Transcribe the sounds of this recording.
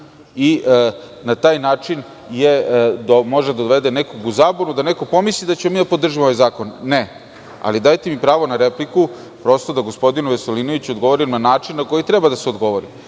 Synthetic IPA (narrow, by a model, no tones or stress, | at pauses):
iʔ | nat̪aːjnaːt͡ʃin | jed̪omo̞ʒed̪aoʋed̪enekoɡuzaːbonud̪ane̞ko̞po̞mislid̪at͡ɕemomiːd̪apo̞d̪r̩ʒimoʋajzaːko̞nːe | a̰lid̪ajt̪emipɾaːʋo̞naɾe̞pliku | pɾo̞st̪od̪aɡo̞spo̞d̪inuʋeselinoʋit͡ɕod̪ɡo̞ʋoɾimnanaːt͡ʂinnako̞jit̪ɾe̞bad̪aseo̞d̪ɡo̞ʋo̞ɾi